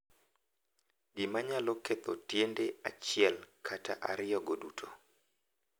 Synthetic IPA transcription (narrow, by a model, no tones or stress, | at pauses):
ɡɪmaɲaloket̪otjendeat͡ʃɪɛlkʰata̰ʔa̰ɾɪjɔɡodutʰo